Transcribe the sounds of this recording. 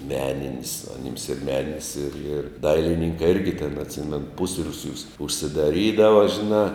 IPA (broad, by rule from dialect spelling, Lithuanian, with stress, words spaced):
ˈmʲæːnʲɪnʲɪs ɐˈnʲɪms ɪr ˈmʲæːnʲɪnʲɪs ɪr ɪr ˈdɐɪlʲɪnʲɪŋkɐɪ ˈɪrʲɡʲɪ tʲeːn ɐtʲˈsʲɪmʲɛnʊ ˈpʊsʲrʲuːsʲuːs ʊʃʲsʲɪdɐˈrʲiːdɐʋɐ ʒʲɪˈnɑː